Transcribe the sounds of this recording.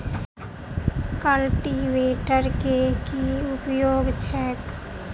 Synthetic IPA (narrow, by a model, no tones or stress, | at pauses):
kəlʈiʋeːʈəɾkekiʊpjoːɡt͡ʃʰɛːk